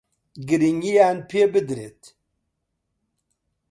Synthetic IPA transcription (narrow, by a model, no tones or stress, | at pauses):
ɡɨɾiŋɡijaːnpʰeːbɨd̪ɾet̪